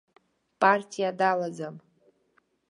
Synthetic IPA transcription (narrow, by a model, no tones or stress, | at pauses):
pʼartʲʼijadalad͡zam